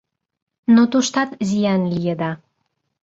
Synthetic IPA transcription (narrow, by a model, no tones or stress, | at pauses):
not̪uʃt̪ɑt̪zijɑnlijəd̪ɑ